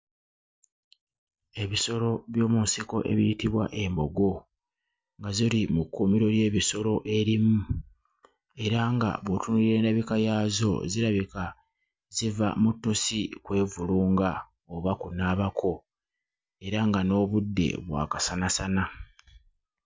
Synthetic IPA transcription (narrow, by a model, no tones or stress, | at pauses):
e̞βiso̞lo̞βjo̞ːmunsiko̞ʔe̞̰βijitiβwa̰ʔe̞mbo̞ɡo̞ | ŋɡazilimukːumiɾo̞lje̞ːβiso̞lo̞ʔe̞ɾimu | e̞ɾaŋɡa̰βwotunuie̞ːndaβikajaːzo̞̰ziɾaβika | ziva̰mutːusikwe̞ːvuluːŋɡa | oβakunaːβakʰo̞ | e̞ɾaŋɡano̞ːβudːe̞̰βwa̰ːkasanasana